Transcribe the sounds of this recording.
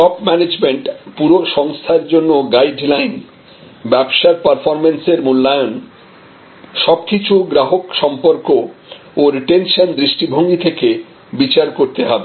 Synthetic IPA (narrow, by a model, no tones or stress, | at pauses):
ʈɔpmɛned͡ʑmeɳʈpuɾoʃɔŋst̪ʰaeɾd͡ʑonːoɡajɖlajn | bɛbʃaɾpaɾfoɾmenseɾmulːajon | ʃɔbkit͡ɕʰuɡɾaɦokʃɔmpoɾko | oɾiʈenʃand̪ɾiʃʈibʱoŋɡit̪ʰeke | bit͡ɕaɾkoɾt̪eɦɔbe